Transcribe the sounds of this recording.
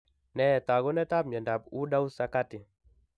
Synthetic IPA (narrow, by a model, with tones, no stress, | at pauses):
nɛ˦˨ta˨ɡɔ˦nɛ˦ta˦p̚ɲɛ˨nda˨pu˦ɗa˦u˦sa˦ka˦tɪ˨